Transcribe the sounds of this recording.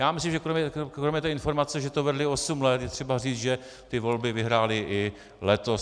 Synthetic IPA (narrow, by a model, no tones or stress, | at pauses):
jaːmɪslimʒɛkɾomɛɾomɲɛt̪ɛːɪnfo̞ɾmat͡sɛʒɛt̪ovɛdlɪosumlɛt̪jɛt̪r̝̥ɛbariːt͡sʒɛ | t̪ɪvo̞lbɪvɪɦɾaːlɪʔɪ | lɛt̪os